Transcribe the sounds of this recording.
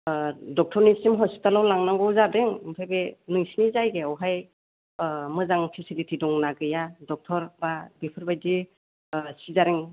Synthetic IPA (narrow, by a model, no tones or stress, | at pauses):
dɔk̚tʰɔɾnisimɦɔsi̥talawlaŋnaɡɔwzabeŋpʰaɡenɯŋsinizajɡeɔwɦaj | mɯzaŋpʰisilitʰidɔŋnaɡɯjadɔk̚tʰɔɾbabipʰɯɾbajdi | sizaɾiŋ